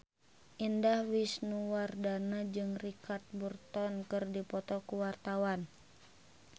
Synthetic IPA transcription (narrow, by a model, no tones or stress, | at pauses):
ʔindahwisnuwardanad͡ʒɨŋrikat̪̚burt̪ɔnkɨrdipɔt̪ɔkuwart̪awan